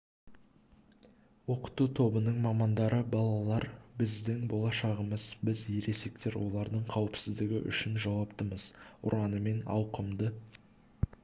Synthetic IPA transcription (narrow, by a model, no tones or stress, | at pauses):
wo̞qə̥t̪ut̪ʰo̞bənəɴmɑmɑnd̪ɑɾəbɑlˠɑlˠɑɾbɪzd̪ɪŋbo̞lˠɑʃɑʁəməzbɪzje̞ɾe̞se̞k̚t̪e̞ɾwʔo̞̰lˠɑɾd̪əɴqʰɑwɪpsɪzd̪ɪɡʲɪʔʏ̰ʃɪnʒɑwɑpt̪əməzʊ̰ɾɑnəme̞nɑ̰wqəmd̪ə